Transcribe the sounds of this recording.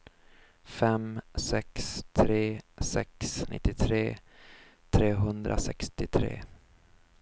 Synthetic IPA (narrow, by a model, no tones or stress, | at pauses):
fɛmsɛkst̪ʰɾeːsɛksnʔɪ̰t̪ːɪt̪ʰɾeː | t̪ʰɾeːɦɵnd̪ɾʔa̰sɛkst̪ɪt̪ʰɾḛː